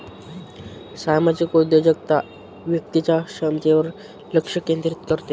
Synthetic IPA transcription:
samad͡ʑikud̪jod͡ʑəɡ̚t̪a | ʋjək̚t̪it͡ɕaɕəmt̪eʋəɾ | ləkʂəkẽnd̪ɾit̪kəɾt̪e

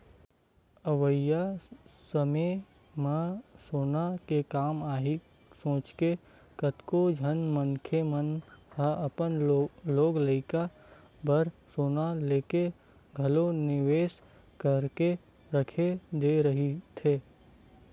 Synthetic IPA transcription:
əʋəjjasəme | məsoːnakekaːmaːɦi | sõːt͡ʃke | kət̪kod͡ʒʱənmənkʰemənhəəpənloːɡləɪka | bʱəɾsoːnaleːke | ɡʱəlonɪʋeːs | kəɾke | ɾəkʰed̪eɾəɦit̪ʰeː

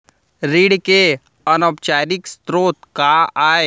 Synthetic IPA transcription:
ɾiːɽke | ənɔbt͡ʃaːɾɪkst̪ɾoːt̪kaaːe

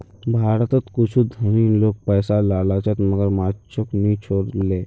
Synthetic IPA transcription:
bʱaːɾət̪ət̪kut͡ʃʰud̪ʱəmiːnlok̚pəːsalalat͡ʃət̪məɡəɾmatt͡ʃʰoknit͡ʃʰoɽle

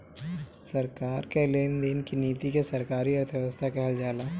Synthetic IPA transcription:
sɐɾkaːɾkeleːnd̪inkiniːt̪ikesɐɾkaːɾiɐɾt̪ʰjəʋəst̪ʰakɛɦəld͡ʒaːlaː

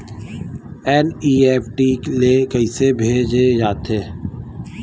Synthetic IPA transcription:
ɛːniːeːpʈiːleːkəiːsebʱeːd͡ʒed͡ʒaːt̪eː

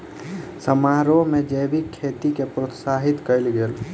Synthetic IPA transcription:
səmaɾomed͡ʒəjbikʰːet̪ikepɾot̪saɦit̪kəɪlɡel

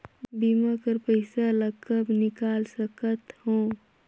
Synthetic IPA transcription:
bimakəɾpəɪsaləɡkəbnɪkaːlsəkət̪hõː

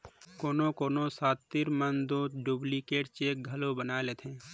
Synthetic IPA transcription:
koːnõkoːnosaːt̪ːiɾmənd̪oɖublikeːʈt͡ʃeːk̚ɡʱɐlobənaːeleːt̪ʰẽː

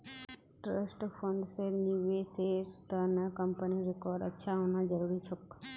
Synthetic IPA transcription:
ʈɾəsʈpʰəɳɖseɾniʋesest̪ənəkəmpəniɾɪkɔːɾɖə̰tːʃʰaɦoːnad͡ʒəɾuɾit͡ʃʰʊk

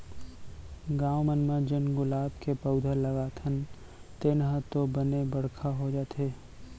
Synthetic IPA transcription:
ɡaːwmənmad͡ʒənɡʊlaːbkepəʊd̪ʱəlɐɡaːt̪ʰən | t̪eːnɦət̪obənebɐɽ̤kʰaɦod͡ʒaːt̪eː

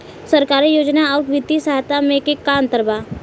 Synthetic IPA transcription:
səɾkaːɾijoːd͡ʒnaɔːɾʋɪt̪ːisaɦt̪amẽkekːant̪əɾba

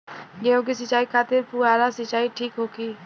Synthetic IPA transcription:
d͡ʒeõkis̬ɪt͡ʃaːikʰaːt̪ɪɾpuaːɾasət͡ʃaːiʈʰiːkɦoːkiː

